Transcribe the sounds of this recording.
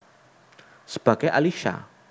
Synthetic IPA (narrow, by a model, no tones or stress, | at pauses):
səb̥a̤ɡ̥ajʔaliʃa̰